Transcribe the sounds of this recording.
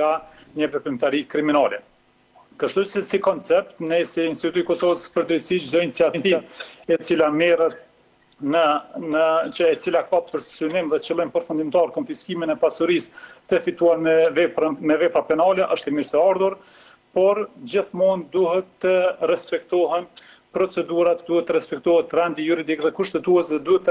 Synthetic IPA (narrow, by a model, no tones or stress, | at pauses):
ɡa | ɲəvɛpimt̪aɾikɾiminalɛ | kəʃt̪usɛsikɔnt͡sɛp̚t̪nɛsiinst̪it̪ut̪utikɔsɔvəspəɾd̪əɾisid̪ɔint͡siat̪int̪iɛt͡silamɛɾət̪̚ | nənəəɛt͡silakapəɾssynimðɛt͡ʃəlˠimpəɾfund̪imt̪ɑɾkɔnfiskiminɛpasuɾist̪əfit̪uaɾɛvɛpɾəmɛvɛpɾapɛnɑlɛʔəʃt̪imiɾt̪əaɾðuɾ | pɔɾd͡ʑiθmund̪uɦɛt̪ːəɾɛspɛkt̪ɔɦɛn | pɾɔt͡sɛd̪uɾat̪d̪uhɛt̪ːəɾɛspɛk̚t̪ɔhɛt̪rɛnd̪ijuɾid̪ikðɛkuʃt̪ɛt̪uɛsðɛd̪uhɛt̪ː